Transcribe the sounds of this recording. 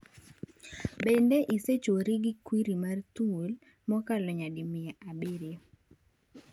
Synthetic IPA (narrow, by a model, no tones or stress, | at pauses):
bendeʔiset͡ʃoɾiɡikwiɾimart̪uol | mɔkalɔɲadɪmɪjaʔabɪɾɪ